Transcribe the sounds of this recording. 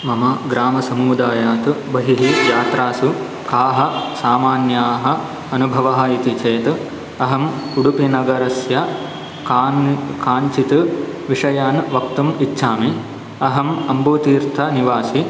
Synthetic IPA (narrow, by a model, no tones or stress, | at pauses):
mɐmɐɡɾaːmɐsɐmuːd̪aːjaːt̪ubɐɦiɦijaːt̪ɾaːsu | kaːɦɐ̆saːmaːnjaːɦɐ̆ | ɐnubʱɐʋɐɦɐit̪it͡ʃʰeːt̪ | ɐɦɐmkuɽupinɐɡɐɾɐsjɐ | kaːɲt͡ʃit̪ɨʋiʂɐjaːnʋɐk̚t̪umitːʃʰaːmi | ɐɦɐmɐmbuːt̪iːɾt̪ʰɐniʋaːsi